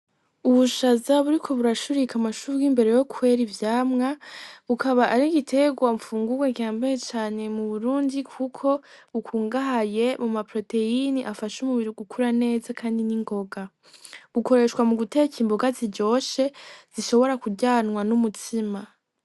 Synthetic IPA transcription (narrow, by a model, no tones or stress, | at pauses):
uβuʃazaβuɾikʰo̞βuɾaʃuɾikamaʃuɾɡimbe̞ɾe̞jo̞kwe̞ɾivjaːmŋaβukʰaβaʔaɾiɡitʰe̞ɡwamfuːŋɡuɡwakiaːmbajet͡ʃaːne̞muβuɾuːndikʰukʰo̞βukʰuːŋɡaɦaje̞mumapɾo̞te̞iniʔafaʃumuβiɾoɡukuɾane̞ːzakʰaːndiniŋɡo̞ɡa | βuko̞ɾe̞ːʃkwamuɡutecʰiːmboɡaziɟo̞ːʃe̞z̥iʃo̞βo̞ɾakuɟaːnŋwanumutʰima